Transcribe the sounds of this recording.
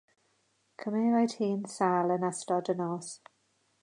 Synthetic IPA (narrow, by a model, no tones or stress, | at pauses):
kʰəmeːvajdhiːnsaːlˠənastɔdənɔs